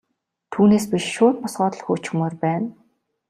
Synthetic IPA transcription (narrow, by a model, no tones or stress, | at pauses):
t̪ʰuːneːspiʃʃʊːrpɔsɢɔːt̪ɞ̆ɮxuːt͡ɕxɵ̆moːrpæːn